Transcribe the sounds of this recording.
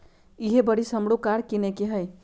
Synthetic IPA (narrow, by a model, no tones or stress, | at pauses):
iɦebəɽisəmɽokaɾkinekeɦəj